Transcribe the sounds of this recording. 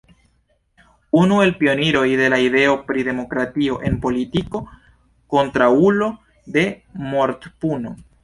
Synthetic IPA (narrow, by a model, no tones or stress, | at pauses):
unue̞lpio̞niɾo̞jde̞laide̞o̞pɾide̞mo̞kɾatio̞ʔe̞npo̞litiko̞ | ko̞ntɾaulo̞ | de̞moɾt̪puno̞̰